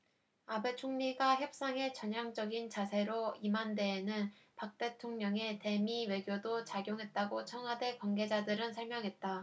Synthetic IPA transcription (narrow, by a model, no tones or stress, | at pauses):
abe̞t͡ɕʰoŋɲiɡaçjʌp̚s͈aŋe̞t͡ɕʌɲjaŋd͡ʑʌɡint͡ɕasʰe̞ɾoimande̞ːnɯnpak̚t͈e̞tʰoŋɲʌŋe̞te̞miwe̞ɡjodot͡ɕaɡjoŋɦe̞t̚t͈aɡot͡ɕʰʌŋɦwade̞kwanɡe̞d͡ʑadɯɾɯnsʰʌɭmjʌŋɦe̞t̚t͈a